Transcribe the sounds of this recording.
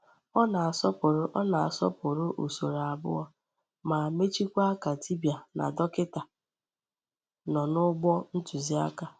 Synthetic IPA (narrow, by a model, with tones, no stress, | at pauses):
ɔ˦na˨a˨sɔ˦pʊ˨ɾʊ˦ʔɔ˦na˨a̰˨sɔ̰˦pʊ˨ɾʊ˦ʔu˨so˨ɾa˨bʊ̰˦ɔ˨ | ma˨me˦t͡ʃi˦kʷa˦a˦ka˨ti˦bja˨na̰˨dɔ˦kɪ˦ta˨ | nɔ˨nʊ˦ɡ͡bɔ˦n̩˦tu˨zi˦a̰˦ka˨